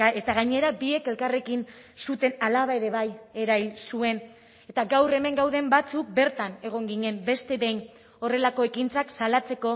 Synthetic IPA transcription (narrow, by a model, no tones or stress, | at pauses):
et̪aɣaɲe̞ɾabie̞ke̞lkare̞kin | sut̪e̞nalaβae̞ɾe̞βaje̞ɾajlsue̞n | e̞t̪aɡawre̞me̞ŋɡawð̞e̞mbat͡suk̚be̞ɾt̪ane̞ɣ̞o̞ŋɡiɲe̞mbe̞st̪e̞βe̞jn | ore̞lako̞e̞kint͡saksalat͡se̞ko̞